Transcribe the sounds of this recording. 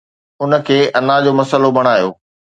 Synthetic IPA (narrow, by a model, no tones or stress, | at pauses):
ʊnə̆kʰeːʔɐnad͡ʑoːmɐsəlobʱɐɽ̃aːjo̰ː